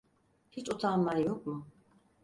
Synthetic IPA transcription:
hit͡ʃʼut̪ʰamːajɔkʼmu

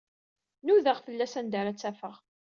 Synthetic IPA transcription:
nuðəʁfəlːæsænd̪aɾæt͡sːæfəʁ

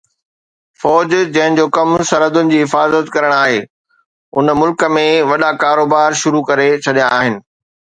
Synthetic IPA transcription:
fɔːd͡ʑd͡ʑɐ̃ɦɪn̆d͡ʑoːkɐmsɐɾəd̪ʊnɪ̆d͡ʑiːɦɪfaːzət̪kɐɾəɽ̃aːɦeː | ʊnmʊlkə̆mẽʋɐɗakaːɾoːbaːɾʃʊɾukɐɾet͡ɕʰɐɗijãaːɦɪnɪ̆

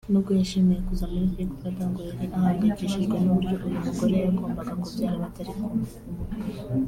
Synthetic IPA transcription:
nokujeʃimijekuzamifikfadaŋɡoeɾiʔahaːŋɡaciʃiʒɡwenoβuɾjoʔojumuɡoɾejaɡoːmbaɡaŋɡobjaːhiβateɾeko

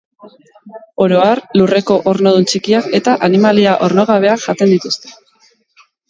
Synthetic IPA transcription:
o̞ɾo̞aɾlure̞ko̞ʔoɾno̞ð̞unt͡ʃikiake̞t̪aʔanimaliaʔo̞ɾno̞ɣ̞aβ̞e̞aʝat̪e̞nd̪it̪ust̪e̞̥

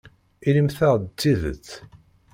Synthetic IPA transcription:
iləmθæʁd̪t͡sːiðə̰t͡sː

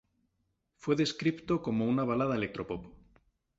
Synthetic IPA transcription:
fwe̞ðe̞skɾipt̪oko̞mounaβ̞alaðaele̞k̚t̪ɾo̞popo

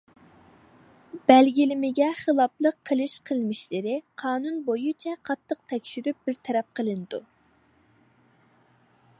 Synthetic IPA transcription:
b̥ɛlɡʲilɪmɪɡʲɛχəlˠɑplˠəqʰːəlˠɨʃqʰəlˠmɪʃlɪɾɪqʰɑːnunbojut͡ʃʰɛqʰɑt̪ʰːəq̚t̪ʰɛkʲʃyɾyp̚bɪɾt̪ʰɛɾɛp̚qʰəlˠɨnɨd̪u

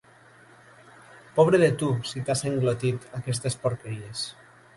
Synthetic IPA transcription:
pɔβ̞ɾeðet̪usit̪aseŋɡlot̪it̪akɛst̪espoɾkeɾies

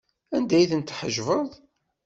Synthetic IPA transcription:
ænd̪æjθənt̪ːħəʒvəðˤ

